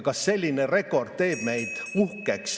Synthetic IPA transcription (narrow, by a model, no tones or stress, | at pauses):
kɑsːe̞lʲːinere̞kːo̞rd̪̥̚t̪e̞ːb̥me̞jd̪̥uhkeks